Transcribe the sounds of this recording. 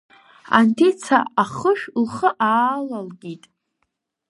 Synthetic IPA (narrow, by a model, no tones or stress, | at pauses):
a̰ntʰet͡sʰa̰aχəʃᶣlχəʔaːlalɡʲitʼ